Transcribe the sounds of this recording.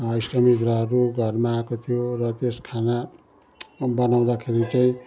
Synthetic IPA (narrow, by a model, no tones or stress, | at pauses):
ʌisʈʌmid̪rʌɦʌɾuɡʱʌrmaːkot̪ʰijorʌt̪eskʰana | bʌnaw̃d̪akʰeɾit͡saĩ